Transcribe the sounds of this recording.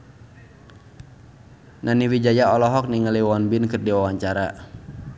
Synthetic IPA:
nʔaniwid͡ʒajaɔlɔɦɔk̚niŋəliwɔnbɪnkɨrdiwawaɲt͡ʃaɾa̰

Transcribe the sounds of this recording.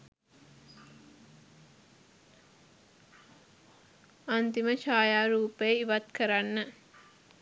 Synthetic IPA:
ant̪iməʃaːjaːɾuːpeːiʋat̪kəɾanːə

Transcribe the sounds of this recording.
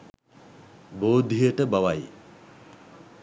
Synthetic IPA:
boːd̪ʱːijəʈəbaʋaj

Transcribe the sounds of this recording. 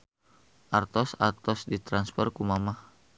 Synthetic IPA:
ʔart̪ɔsart̪ɔsdit̪ɾanspɔrkumamah

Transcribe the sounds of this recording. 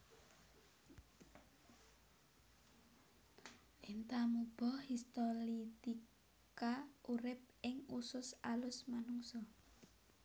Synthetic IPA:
ʔint̪amub̥ɔhist̪ɔlit̪i | kkaʔuɾɪp̚ɪŋusʊsalʊsmanuŋsɔ

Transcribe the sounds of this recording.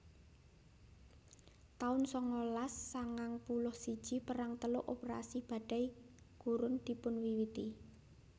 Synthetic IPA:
t̪aʊnsɔŋolasːaŋaŋpulʊhsid̥ʒ̥i̤pəɾaŋt̪əlʊʔopeɾa̰sib̥a̤d̥a̤j | ɡ̥uɾʊnd̪̥i̤pʊnwiwit̪i

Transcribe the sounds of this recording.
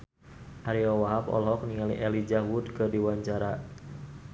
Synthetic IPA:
ʔaɾiɔwaɦapɔ̰lɦɔk̚niŋaliʔɛlid͡ʒawudkɨrdiwaɲt͡ʃaɾa

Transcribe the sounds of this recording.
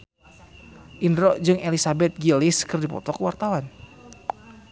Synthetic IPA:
ʔindɾɔd͡ʒɨŋʔelisabɛt̪̚ɡiliskɨrdipɔ̰t̪ɔkəwart̪awan

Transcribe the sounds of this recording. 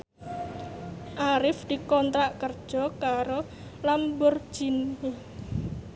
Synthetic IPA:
ʔaɾɪfd̪̥i̤kɔnt̪ɾaʔkərd̥ʒ̥ɔ̤kaɾo | lambʊr̥ʒ̥ini

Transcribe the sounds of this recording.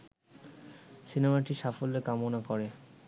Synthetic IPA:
sinemaʈiʃafolːekamonakɔɾe

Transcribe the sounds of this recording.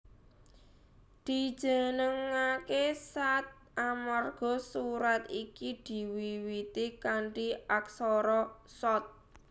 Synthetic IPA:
d̪̥i̤̥ʒ̥ə̤nəŋakesat̪̚ʔamarɡ̥ɔ̤suɾat̪ikid̪̥i̤wiwit̪ikaɳʈiaksɔɾɔsɔt̪̚

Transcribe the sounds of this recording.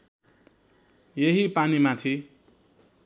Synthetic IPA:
jeɦipanimat̪ʰi

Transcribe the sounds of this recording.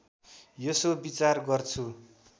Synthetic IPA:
jʌsobit͡sarɡʌrt͡sʰu

